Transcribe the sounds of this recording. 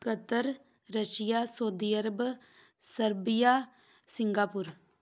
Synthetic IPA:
kət̪əɾ | ɾɐʃijaːsoːd̪iɐɾəb | səɾbija | sɪŋɡaːpuɾ

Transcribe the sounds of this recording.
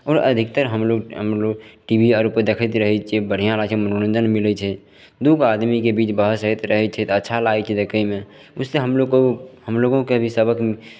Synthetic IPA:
ɔːɾə̰d̪ʱik̚t̪əɾɦəmloɡɦə̰mloɡʈibʱiaɾupəɾd̪ekʰət̪ɾəɦɛt͡ʃʰebəɽ̤ijãlat͡ʃʰɛmənoɾə̃nd͡ʒənmilɛt͡ʃʰɛ | d̪uɡad̪mikebit͡ʃbəɦəsəɦit̪ɾəɦɛt͡ʃʰɛt̪ətːʃʰalajt͡ʃʰɛd̪ekəimẽ | ʊsːeɦəmlokohəmloɡõkeəbʱisəbək

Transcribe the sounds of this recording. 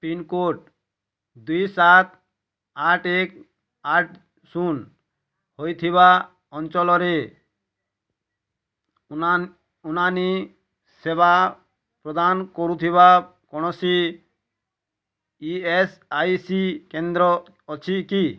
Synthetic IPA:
pinkoʈ̚ | d̪ujsat̪ | aʈek | aʈ | sun | hojt̪ʰiβa | ɔnt͡ʃɔlɔɾe | unani | seba | pɾɔd̪ankɔɾut̪ʰiβa | kɔɽ̃ɔsi | iesajsikend̪ɾɔː | t͡ʃʰiki

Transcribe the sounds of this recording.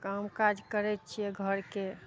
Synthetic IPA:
kamkad͡ʒkəɾɛt̪̚t͡ʃʰijɛɡʱəɾke

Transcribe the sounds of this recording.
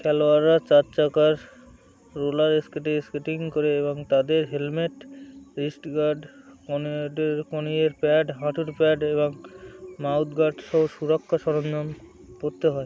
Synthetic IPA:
kʰɛloaɾat͡ɕat͡ʃakaɾː | olaɾeskeʈeskeʈiŋkoɾeeboŋt̪ad̪eɾɦelmeʈɾisʈɡaɖkonɖeɾkonieɾpɛɖɦãʈʰuɾpɛɖeboŋmawt̪ɡaɖʃɔɦoʃuɾokʰːaʃɔɾonːom | poɾt̪eɦɔe

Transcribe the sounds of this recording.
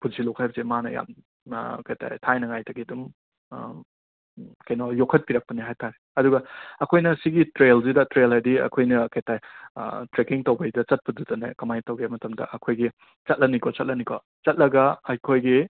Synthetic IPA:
puzilokʰhajbɐzemanɐ̰ja̰m | kɐjtʰa̰jtʰajnɐŋajtʰɐɡidum | kɐjnɔjokʰɐt̚piɾɐk̚pɐniɦajtaɾe | ɐduɡɐɐkʰojnɐsiɡitɾelzidɐtɾelajdiɐ̰kʰojnɐkɐjtaj̰tɾekiŋtɐwbɐjdɐt͡ʃɐt̚pɐdutɐnḛkɐmajtɐwɡemɐtɐmdɐ̰ʔɐkʰojɡi | t͡ʃɐt̚lɐnikɔt͡ʃɐt̚lɐnikɔ | t͡ʃɐt̚lɐɡɐɐjkʰojɡi

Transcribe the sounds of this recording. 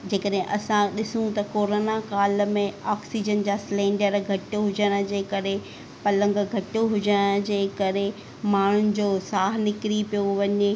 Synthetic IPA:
d͡ʑeːkəɗɦẽʔɐsãɗɪsũt̪ɐkoːɾoːnakaːl̆mẽɔːksid͡ʑənd͡ʑaːslẽːɳɖəɾɡʱɐʈoɦʊd͡ʑəɽ̃ə̆d͡ʑeːkɐɾe | pɐlə̃ŋɡɡʱɐʈoɦʊd͡ʑəɽ̃d͡ʑeːkɐɾe | maːɳ̤ʊnɪ̆d͡ʑoːsaːɦnɪkɪɾipijoʋɐɲe

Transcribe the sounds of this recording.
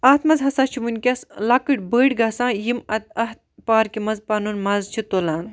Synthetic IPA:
ɐːt̪ʰmɐzɦɐsaːt͡ʃʰimunʲkʲɐslakɨʈʲbəːɽɡɐsãːjimɐt̪̚ɐɦt̪̚paːɾkimɐzpaːnunmɐzt͡ʃʰit̪oːlaːn

